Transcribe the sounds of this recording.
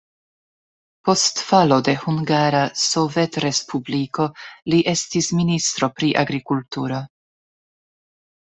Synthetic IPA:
po̞stfalo̞de̞huŋɡaɾaso̞vetɾe̞spʰubliko̞liʔe̞stisministɾo̞pɾiʔa̰ɡɾikultuɾo̞

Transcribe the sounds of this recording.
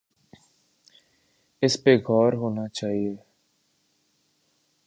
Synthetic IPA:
ɪspeːɡʱɔːɾɦoːnaːt͡ʃaːɦieː

